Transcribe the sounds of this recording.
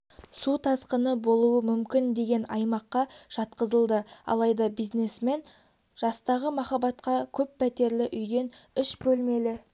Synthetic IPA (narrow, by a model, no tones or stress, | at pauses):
sut̪ʰɑsqənəbo̞lˠuəmʏmkʲɪnd̪e̞ɡʲe̞nɑjmɑqːɑʒ̥ɑt̪qəzəlˠd̪əɑ̰lˠɑjd̪ɑbizne̞sme̞n | ʒ̥ɑst̪ɑʁəmɑχɑbɑt̪qɑkʲʰɵpːʰæt̪e̞ɾlɪʔʏjd̪e̞nʏʃbɵlme̞lɪ